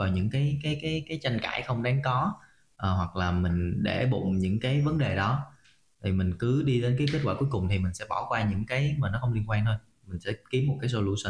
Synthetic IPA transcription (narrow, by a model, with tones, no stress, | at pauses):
vaː˨˩ɲɨ̰˧˥ŋkaː˨˦jkaː˨˦jkaː˨˦jkaː˨˦jt͡ɕa˧jŋ̟ka̰ː˧˩jxə˧wŋ͡mɗaː˨˦ŋkɔ˨˦ | ʔəː˨˩hwa˨˩k̚laː˨˩mï˨˩ŋ̟ɗḛ˧˩ɓʊ̰˧˨ŋ͡mɲɨ̰˧˥ŋkaː˨˦jvə˨˦nɗe˨˩ɗɔ˨˦ | t̪ʰi˨˩mï˨˩ŋ̟kɨ˨˦ɗi˧ɗe˨˦nkaː˨˦jk̬e˦˥t̚kwaː˧˩ku˨˦jkʊ˨˩ŋ͡mt̪ʰi˨˩mï˨˩ŋ̟sɛ̰˧˥ɓɔ˧˩wkwaː˧ɲɨ̰˧˥ŋkaː˨˦jmaː˨˩nɔ˨˦xə˧wŋ͡mli˧ŋkwaː˧ŋt̪ʰo˧j | mï˨˩ŋ̟sɛ̰˧˥ki˨˦əmːo˨˩kaː˨˦jso˧lu˧sə˧˩n